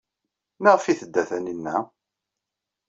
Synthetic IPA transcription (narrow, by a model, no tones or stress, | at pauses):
nəʁfiθəd̪ːæθæninːæ